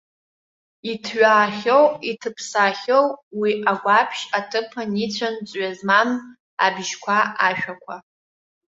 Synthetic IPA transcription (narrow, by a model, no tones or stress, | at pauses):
itʰɥaːχʲowitʰɨpʰsaχʲowwiʔaɡʷapʰʃatʰɨpʰɨnit͡ɕʷʰant͡sʷʼɥazman | a̰bʒkʷʰaaʃᶣakʷʰa